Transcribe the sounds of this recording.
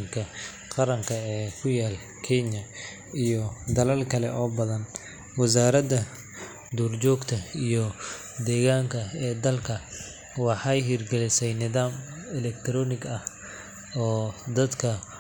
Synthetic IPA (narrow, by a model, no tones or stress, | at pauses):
ŋkʰɐ | qɑɾɐŋkʰɐɛːkʰʊjaːl | kʰɛɲɐ | ijɔd̪ɐlɐlkʰɐlɛʔɔːbɐðɐn | wɑs̬aːɾɐdɐ | d̪uːrt͡ʃɔːɡt̪ʰɐijɔ | d̪ɛːɣaːŋkʰɐɛːd̪ɐlkʰɐ | wɑħɑjɦiːrɡɛlɪsɛjnɪðaːmɛlɛk̚t̪ʰɾɔːnɪɡɐh | ɔːd̪ɐd̪kʰɐ